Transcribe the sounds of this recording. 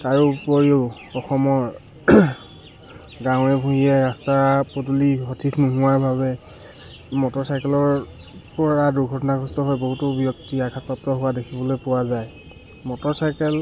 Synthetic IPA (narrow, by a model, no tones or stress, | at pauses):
taɹupoɹi | ɔxɔmɔɹ | ɡãʊ̃ɛbʱuɦiɛɹastapotuliɦotʰikʰnuɦʊaɹbʱaβɛ | mɔtɔɹsajkɛlɔɹ | pɔɹaduɹɡʱɔtɔnaɡʱɔstɔɦɔjboɦutɔbjɔk̚tiakʰatɔptɔɦʊwadekʰibɔlojpʊwazaj | mɔtɔɹsajkɛl